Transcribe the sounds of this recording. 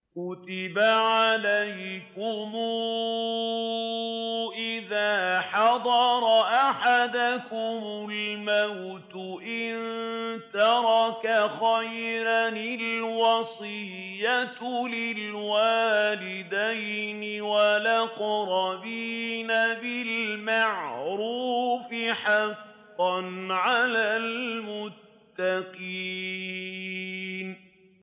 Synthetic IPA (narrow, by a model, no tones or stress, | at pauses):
kʊt̪ɪbaʕalajkʊmuː | ʔɪðaːħɑd̪ˤɑɾˤɑʔaħad̪akʊmʊlmawt̪ʊʔɪnt̪ɑɾˤɑkaxajɾanɪlwɑsˤɨjːalɪlwaːlɪd̪ajnɪwalaqɾˤɑbiːnabɪlmaʕɾuːfɪħɑf | ɑnʕalaːlmʊt̪ːaqiː | n